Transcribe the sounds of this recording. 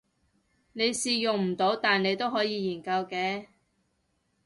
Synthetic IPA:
ne˨˧jsiː˨jʊ˨ŋm̩˨˩t̪o˨˧˥wt̪aː˨ne˨˧jt̪o˥wɦɔː˨˥jiː˨˧jiː˨˩nkɐ˧wkɛː˨˧

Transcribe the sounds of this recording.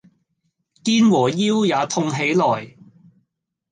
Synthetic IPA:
kiː˥nwɔː˨˩jiː˥wjaː˨˧t̪ʰʊ˧ŋɦe˨˥jlɔː˨˩j

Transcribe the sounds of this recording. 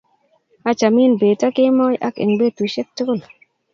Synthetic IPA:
a˦t͡ʃa˨mi˦nbe˨ta˦kɪ˦mɔ˦ja̰˦kḛ˨ŋbe˦tu˨ʃɛ˦k̚tu˦kʊ˦˨l

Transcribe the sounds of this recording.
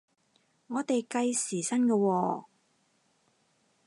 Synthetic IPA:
ŋɔː˨˧t̪e˨jkɐ˧jsiː˨˩sɐ˥nkɛ˧wɔː˧

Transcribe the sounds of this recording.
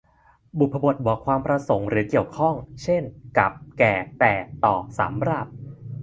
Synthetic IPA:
bu˨˩a˧bu˨˩ət̪̚wɔː˨˩kʰwaː˧mpɾa˧so˩˦ŋɾɯː˩˦ki˨˩əwkʰɔ˥˩ŋt͡ɕʰe˥˩nka˨˩p̚kɛː˨˩t̪ɛː˨˩t̪ɔː˨˩sa̰ː˩˦mɾaː˥˩p̚

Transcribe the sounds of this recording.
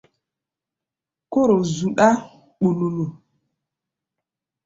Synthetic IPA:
ko˦ɾo˨zu˨ɗa˦ | ɓu˨nu˨nu˨

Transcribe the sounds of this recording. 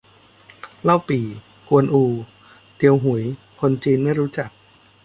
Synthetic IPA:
la˥˩wpiː˨˩ | ku˧ənʔuː˧ | t̪i˧əwɦu˩˦j | kʰo˧nt͡ɕiː˧nma˥˩jɾuː˦˥t͡ɕa˨˩k̚

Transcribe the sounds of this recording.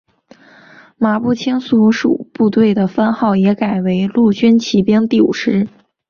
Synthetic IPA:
ma˧˥pu˥˩t͡ɕʰi˥nsu˧˥ʂṵ˨˩pu˥˧t̪we˥˩ɪd̪ə˩fa˥nxɑ˥˩ʊjɛ˧˥ka˨˩ɪwe˧˥ɪlu˥˩t͡ɕy˥nt͡ɕʰi˧˥pjɛ˥ŋt̪i˥˩ṵ˨˩ʂɻ̩˥

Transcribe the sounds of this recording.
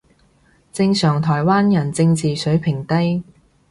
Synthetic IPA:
t͡sɪ˧ŋsœː˨˩ŋt̪ʰɔː˨˩jwaː˥njɐ˨˩nt͡sɪ˧ŋt͡siː˨sɵ˨˥ɥpʰɪ˨˩ŋt̪ɐ˥j

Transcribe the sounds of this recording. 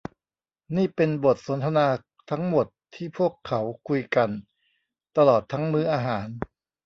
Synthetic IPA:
niː˥˩pe˧nbo˨˩t̪̚so˩˦nt̪ʰa˧naː˧ | t̪ʰa˦˥ŋmo˨˩t̪ʰːiː˥˩pʰu˥˩əkʰːa˩˦˥wkʰu˧jka˧n | t̪a˧lɔː˨˩t̪ʰːa˦˥ŋmɯː˦˥ʔaː˧ɦaː˩˦n

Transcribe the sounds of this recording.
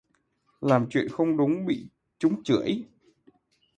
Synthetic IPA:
laː˨˩mt͡ɕwḭ˧˨ənxə˧wŋ͡mɗʊ˨˦ŋ͡mɓḭ˧˨ | t͡ɕʊ˨˦ŋ͡mt͡ɕɨ˧˩əj

